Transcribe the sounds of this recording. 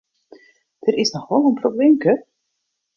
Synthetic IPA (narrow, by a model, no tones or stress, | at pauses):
d̥əɾɪsnɔxʋɔlˠənprobleːmkər